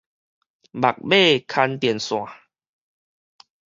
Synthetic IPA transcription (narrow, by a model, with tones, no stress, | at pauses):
ba˨˩k̚be˥˧˨kʰa˧nt̪i˨˩ənsw̃ã˨